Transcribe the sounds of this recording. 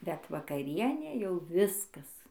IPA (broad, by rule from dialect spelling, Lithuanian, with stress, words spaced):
bʲɛt ʋɐkɐˈrʲiɛnʲeː jɛʊ ˈʋʲɪskɐs